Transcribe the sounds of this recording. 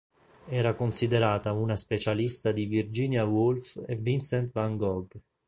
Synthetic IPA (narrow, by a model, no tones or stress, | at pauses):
ɛːɾakonsid̪eɾaːt̪aunaspet͡ʃalist̪ad̪ivird͡ʒiːnjawulfevinsɛnt̪vaŋɡɔɡ